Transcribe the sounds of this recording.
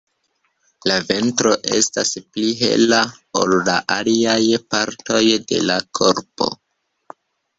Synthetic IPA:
lave̞ntɾo̞ʔe̞̰staspliɦe̞̰la | olːaʔaliajpaɾto̞jde̞̰lakʰo̞ɾpo̞̰

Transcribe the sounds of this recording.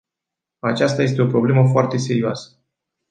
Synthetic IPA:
at͡ʃast̪aje̞st̪e̞opɾo̞bleməfoart̪e̞se̞ɾiuoasə̥

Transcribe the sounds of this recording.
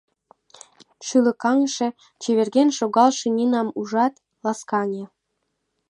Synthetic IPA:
ʃylə̆kɑŋʃĕ | t͡ɕeβerɣenʃoɣɑlʃĕnʲinɑmuʒɑt̪ | lɑskɑnʲĕ

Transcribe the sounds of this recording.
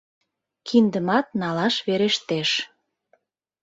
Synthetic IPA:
kʰind̪əmɑt̪̚nɑlɑʃβeɾeʃt̪eʃ

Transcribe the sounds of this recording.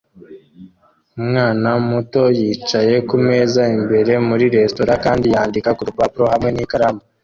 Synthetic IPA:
umŋaːnamuto̞jiːt͡ʃaje̞kume̞ːzaimbe̞ɾe̞muɾiɾe̞sto̞ɾakaːndijaːndikakuɾupapuɾohamŋe̞nikaɾamo

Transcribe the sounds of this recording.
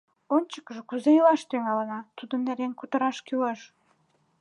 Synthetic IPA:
onʲt͡ɕə̥kəʒĕkuzejəlɑʃt̪yŋɑlənɑt̪ud̪ə̆nːæɾenkut̪ə̆ɾɑʃkyleʃ

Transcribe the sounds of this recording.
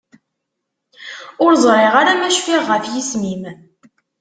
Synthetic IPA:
ʊɾzˤɾˤeʁaɾamæʃfiʁːəfjismim

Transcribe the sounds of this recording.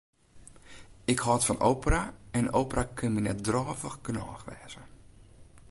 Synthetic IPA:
ɪkhɔːtfɔno̰wpəraɛnowpərakʰønminɛt̚drɔːvəxɡənɔːxʋɛːz̥ə

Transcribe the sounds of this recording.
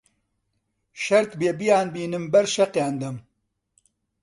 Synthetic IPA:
ʃɐɾt̪beːbijaːnbiːnɨmbɐɾʃɐqjaːnd̪ɐm

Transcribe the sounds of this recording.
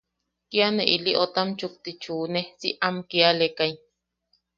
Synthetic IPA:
kianeʔiliʔot̪amt͡ʃuk̚t̪it͡ʃuːnesiʔamkialekaj

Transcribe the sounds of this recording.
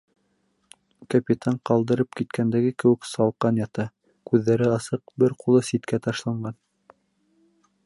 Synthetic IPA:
kɐpʲit̪ʰɑɴqɑlˠd̪ɤ̆ɾɤp̚kit̪kʰænd̪æɡɘkɘ̆wɘ̆ksɑlˠqɑnjɑt̪ɑ | kʉðːæɾɘɑsɤq̚bɘɾqulˠɤsit̪kæt̪ɑʃlˠɑɴɢɑn

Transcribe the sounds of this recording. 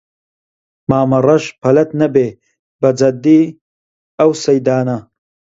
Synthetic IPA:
maːmɐrɐʃpʰɐlɐt̪nɐbeː | bɐd͡zɐd̪ːiː | ɐwsɐjd̪aːnɐ

